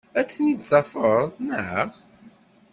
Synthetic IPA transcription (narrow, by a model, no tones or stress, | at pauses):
æt͡sːnid̪zˤɑfəɾˤðˤnəʕʁ